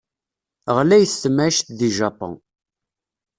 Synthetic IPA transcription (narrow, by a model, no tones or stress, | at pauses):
ʁlæjθːəmæʃθðiʒɑpɑ̰̃